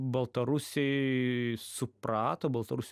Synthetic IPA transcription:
bɐlˠt̪ɐɾʊsʲɛɪ | sʊprɑːt̪oːbɐlˠt̪ɐɾʊsʲ

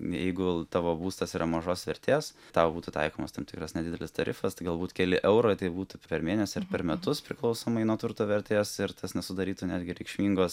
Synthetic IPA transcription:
jɛɪɡʊt̪ɑːʋoːbuːst̪ɐsiːɾʔɐmɐʒoːsʋʲɛɾʲt̪ʲeːs | t̪ɑːʊbuːt̪ʊt̪ɐ̰ɪkoːmɐst̪ɐmtʲɪkɾɐsnʲɛd̪ʲɪdʲɛlʲɪst̪ɐɾʲɪfɐst̪ɐɪɡɐlˠbuːt̪kʲɛlʲɪʔɛʊɾoɪt̪ɐɪbuːt̪ʊpʲɛɾmʲeːnʲɛsʲɪɪɾpʲɛɾmʲɛt̪ʊspʲɾʲɪklˠɐʊsoːmɐɪnuɔt̪ʊɾt̪oːʋʲɛɾʲt̪ʲeːsɪɾt̪ɐsnʲɛsʊd̪ɐɾʲiːt̪uːnʲæːd̪ʲɡʲɪɾʲɛɪkʃʲmʲiːŋɡoːs

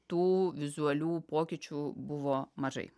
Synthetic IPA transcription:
t̪uːʋʲɪzʊɐlʲuːpoːkʲɪt͡ʃʲuːbʊʋoːmɐʒɐ̰ɪ

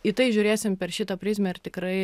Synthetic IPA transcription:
it̪ɐɪʒʲʊːɾʲeːsʲɪmpʲɛɾʃʲɪt̪ɐpʲɾʲɪːzʲmʲɛɪɾt̪ʲɪkɾɐɪ

